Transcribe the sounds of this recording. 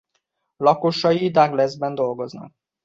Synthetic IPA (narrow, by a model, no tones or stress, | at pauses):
lɒko̞ʃɒjid̪aɡlɛzbɛnd̪o̞lɡo̞znɒ̰k̚